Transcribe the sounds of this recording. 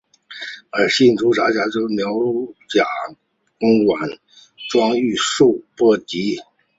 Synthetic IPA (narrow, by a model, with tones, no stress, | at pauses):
ə˞˨˩ɕi˥˩nʈ͡ʂu˧˥ʈ͡ʂa˧˥t͡ɕja˧˥t͡ɕjo˥mjɑ˧˥ʊt͡ɕja˨˩ | kʊ˥ŋwa˨˩n | ʈ͡ʂwɑ˥ŋy˥˧ʂu˥˧pwɔ˥˩t̪i˧˥